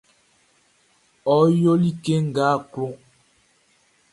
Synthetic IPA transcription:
ɔ˨˦jo˦li˦ke˦ŋ̩˨ɡaː˦klo˦

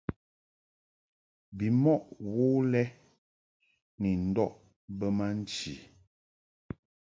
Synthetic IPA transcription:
bi˨mɔ˦ʔwo˦lɛ˦ | ni˨n̩˨dɔ˦ʔ | bə˦ma˦n̩˦t͡ʃi˨

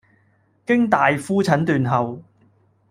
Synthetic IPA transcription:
kɪ˥ŋt̪aː˨jfuː˥t͡sʰɐ˨˥nt̪yː˨nɦɐ˨w

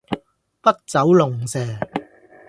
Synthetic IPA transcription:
pɐ˥k̚t͡sɐ˨˥wlʊ˨˩ŋsɛː˨˩

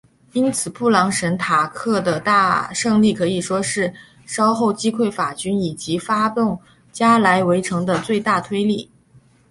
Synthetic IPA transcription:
i˥nt͡sʰɹ̩˨˩pu˥˩lɑ˧˥ŋʂə˧˥nt̪ʰa˨˩kʰɤ˥˩d̪ə˩t̪a˥˧ʂɤ˥˧ŋli˥˩kʰɤ˧˥i˨˩ʂwɔ˥ʂɻ̩˥˩ | ʂɑ˥ʊxo˥˩ʊt͡ɕi˥kʰwe˥˩ɪfa˨˩t͡ɕy˥ni˨˩t͡ɕi˧˥fa˥t̪ʊ˥˩ŋ | t͡ɕja˥la˧˥ɪwe˧˥ɪʈ͡ʂʰɤ˧˥ŋd̪ə˧t͡swe˥˧ɪt̪a˥˩t̪ʰwe˥ɪli˥˩

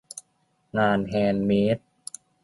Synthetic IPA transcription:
ŋaː˧nɦɛː˧nmiː˦˥t̪̚

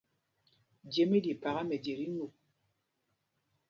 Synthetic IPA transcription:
d͡ʒje˨me˦di˨pa˨ɣa˦mɛ˨d͡ʒe˨ɾi˦nu˨

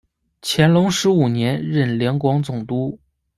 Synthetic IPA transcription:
t͡ɕʰjɛ˧˥nlʊ˧˥ŋʂɻ̩˧˥u˨˩njɛ˧˥nɻə˥˩nljɛ˧˥nkwɑ˧˥ŋt͡sʊ˨˩ŋt̪u˥

